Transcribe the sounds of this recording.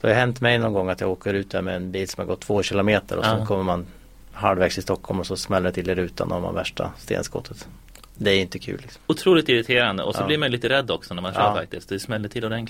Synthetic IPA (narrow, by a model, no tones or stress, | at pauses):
d̪̥ɛhajʉɦɛnt̪mɛjnɔnɡɔŋːat̪jɑɡoːkəɾʉ̟ːt̪̚d̪æɾmɛɛnbiːlsɔmhaɾɡɔt̪ʰːv̥oːɕɪlʊmeːt̪əɾɔsɔkʰɔmːəɾman | ɦaɖ̪vɛːɡsʰɪst̪ɔkʰːhɔlmɔsɔsmɛlːəɖt̪ʰɪld̪eːɾʉ̟ːt̪ʰa̰nɔama̰væʂʈa̰st̪ḛːnskɔ̰t̪ʰːət̪ | d̪ɛæɾɪnt̪əkʰʉ̰ːlːɪksɔ̥mʊt̪ʰɾuːlɪt̪ɪɾɪt̪ʰeːɾand̪ə̰ʔɔsɔlɪɾmajliːt̪əɾɛd̪ːɔksɔnæɾmanʃœːɾfa̰k̚t̪ɪst̪d̪ɛsmɛlːəʈʰɪlːɔd̪ɛn